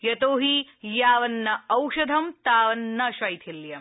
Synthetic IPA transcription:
jɐt̪oːɦijaːʋɐnːɐɐwʃɐd̪ʱɐmt̪aːʋɐnːɐʃɐjt̪ʰiljɐm

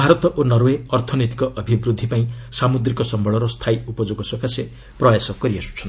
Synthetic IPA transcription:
bʱaɾɔt̪ɔʔonʌɾeɔɾt̪ʰɔnɔjt̪i̥kɔʔːbʱibɾud̪ʱːipaĩsamud̪ɾikɔsʌmbʱɔɭɔɾɔst̪ʰajupɔd͡ʒoɡɔsɔkʰasje | prɔjasɔkɔɾiasu̥t͡ʃʰʌn

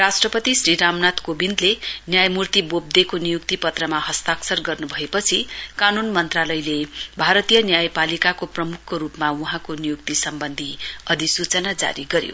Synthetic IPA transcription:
rasʈrʌpʌt̪isriɾamnat̪kobind̪lenjajmurt̪ibob̚d̪ekonijuk̚t̪ipʌt̪rʌmaɦʌst̪aksʌrɡʌrnubʱʌepʌt͡sʰikanunmʌnt̪ralʌjlebʱaɾʌt̪ijʌnjajpalikakoprʌmukʰːɾupmauɦãkonijuk̚t̪isʌmbʌnd̪ʱiʌd̪ʱisut͡sʌnad͡za̰ɾiɡʌɾjo̰

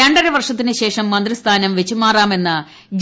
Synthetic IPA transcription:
ɐɳɖɐɾɐʋɐrʂɐt̪ːinɨɕe̞ːʂɐmːɐnd̪rist̪ʰaːnɐmʋet͡ɕːumaːraːme̞nːɨ | d͡ʑ

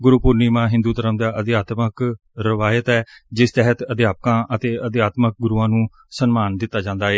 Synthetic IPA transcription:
ɡʊɾuːpʊɾniːmãːɦɪ̃nd̪uːt̪əɾəmd̪aːʔəd̪jaːt̪mək | ɾəʋaːjət̪ɛːd͡ʒɪst̪ɛɦət̪əd̪jaːpəkãːʔət̪eːəd̪ɪjaːt̪mək̚ɡʊɾuːãːnũː | sənmaːnd̪ɪt̪ːaːd͡ʒãːnd̪aːɦɛː

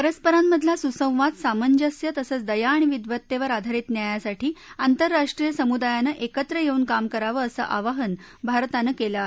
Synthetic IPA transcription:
pəɾəspəɾamːəd̪ʱlasusə̃w̃ʋat̪saməɲd͡ʑəsjət̪əsəːt͡sd̪əjaːɽ̃iʋid̪ʋət̪ːeʋəɾad̪ʱaɾiːt̪njajasaʈʰiːant̪əɾːaʂʈɾijəsəmud̪ajanəʔekət̪ɾəjeuːnkamkəɾaʋəːsə̰ʔaʋəɦənbʱaɾt̪anəkela

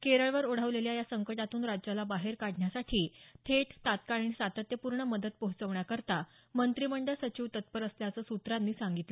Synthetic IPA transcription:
keɾəɭʋəɾoɽ̤əʋleljajasəŋkəʈat̪uːnɾad͡ʑjalabaɦeɾkaɽɳjasaʈʰiːt̪ʰeʈt̪ːat̪kaɭinsat̪ət̪jəpuɾɳəməd̪ət̪̚pəɦut͡səʋɳjakəɾt̪a | mənt̪ɾiməɳɖəɭsət͡ɕiːʋt̪ət̪̚pəɾəsljat͡səːsut̪ɾamːiːsaŋɡit̪lə

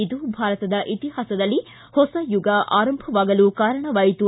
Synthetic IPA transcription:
id̪ubʱaːɾɐt̪ɐd̪ɐʔit̪iɦaːsɐd̪ɐlːi | hɔsɐjuɡɐʔaːɾɐmbʱɐʋaːɡɐlukaːɾɐɳɐʋaːjit̪u

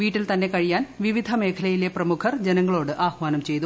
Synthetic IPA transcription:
ʋiːʈːilt̪ɐnːe̞kɐɻijaːnʋiʋid̪ʱɐme̞ːkʰɐlɐjile̞prɐmukʰɐrd͡ʑenɐŋːɐɭo̞ːɽɨʔaːhʋaːnɐmt͡ɕe̞jt̪u

